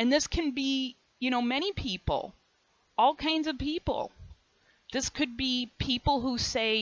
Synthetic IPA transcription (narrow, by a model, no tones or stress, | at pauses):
ɨ̃nðɪskʰɨ̃nbi | jɨñoʊmɛɾ̃ipʰipl̩ˠ | ɔlˠkʰãɪ̃nzʌv̥pipl̩ˠ | ðɪskʰɨd̚bipʰipl̩ˠɦuseɪ